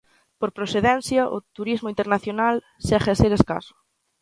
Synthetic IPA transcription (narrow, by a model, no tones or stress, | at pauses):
poɾpɾoθeðɛn̟θjɐʔʊ̰t̪uɾizmʊint̪eɾnaθjonal | sɛχeseɾeska̰sʊ̥